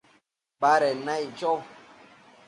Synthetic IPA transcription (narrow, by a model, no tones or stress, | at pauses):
baɾɛnait͡ʃɔ